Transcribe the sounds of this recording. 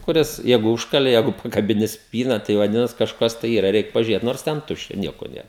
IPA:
kʊˈrʲɪs ˈjɛɪɡʊ ˈʊʃkɐlʲeː ˈjɛɪɡʊ pɐkɐbʲɪˈnʲɪ ˈsʲpʲiːnɐ tɐɪ ʋɐˈdʲɪnɐs kɐʃˈkɐs tɐɪ ˈiːrɐ ˈrʲɛɪk pɐʒʲʊˈrʲeːt noːrs ˈtʲɛn ˈtʊʃʲt͡ʃʲɛ ˈnʲiɛkoː ˈnʲeːr

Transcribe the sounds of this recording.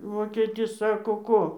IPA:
ˈʋoːkʲeːtʲɪs ˈsɑːkoː ˈkoː

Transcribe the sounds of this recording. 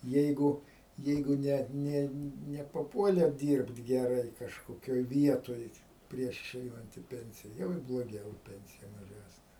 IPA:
ˈjɛɪɡʊ ˈjɛɪɡʊ ˈnʲɛ ˈnʲɛ nʲɛpɐˈpuɔlʲeː ˈdʲiːrpt ɡʲɛˈrɐɪ kɐʃkoːˈkʲoːj ˈʋʲiɛtoːj ˈpʲrʲiɛʃ ɪˈʃʲɛɪnɐnt ɪ ˈpʲɛnʲsʲɪjɛ ˈjɛʊ ɪr blˠoːˈɡʲɛʊ ɪ ˈpʲɛnʲsʲɪjɛ mɐˈʒʲæːsʲnʲɛ

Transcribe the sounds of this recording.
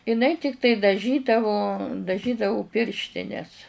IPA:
ɪˈnɐɪ ˈtʲɪktɐɪ dɐˈʒʲiːdɐʋoː dɐˈʒʲiːdɐʋʊ ˈpʲɪrʲʃʲtʲɪnʲɛs

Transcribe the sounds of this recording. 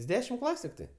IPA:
jɪs ˈdʲæːʃʲɪm ˈklˠɑːsʲʊ tʲɪkˈtɐɪ

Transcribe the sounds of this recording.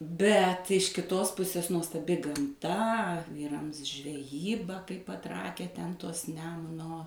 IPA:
ˈbʲɛt ɪʃ kʲɪˈtoːs ˈpʊsʲeːs nuɔstɐˈbʲɪ ɡɐmˈtɐ ˈʋʲiːrɐms ʒʲʋʲɛˈjiːbɐ kɐɪp pɐˈtrɑːkʲæː ˈtʲɛn ˈtoːs ˈnʲæːmʊnoː

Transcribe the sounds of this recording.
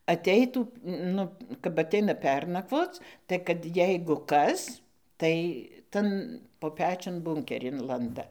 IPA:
ɐˈtʲɛɪtuː ˈnʊ kɐp ɐˈtʲɛɪnɐ ˈpʲɛrnɐkʋoːt͡s tɐɪ kɐt ˈjɛɪɡʊ ˈkɐs tɐɪ ˈtɐn poː ˈpʲæːt͡ʃʲʊn ˈbʊŋʲkʲɛrʲɪn ˈlˠɐndɐ

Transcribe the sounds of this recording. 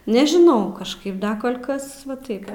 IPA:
nʲɛʒʲɪˈnɐʊ kɐʃˈkɐɪp ˈdɐ ˈkoːlʲ ˈkɐs ʋɐ ˈtɐɪp

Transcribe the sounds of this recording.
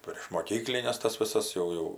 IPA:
pʲrʲiɛʃ moːˈkʲiːklʲɪnʲɛs ˈtɐs ʋʲɪˈsɐs ˈjɛʊ ˈjɛʊ

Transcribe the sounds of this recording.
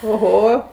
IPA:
oːˈɣoː

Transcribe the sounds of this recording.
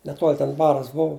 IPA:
nʲɛˈtuɔlʲ tʲɛn ˈbɑːrɐs ˈbʊʋʊ

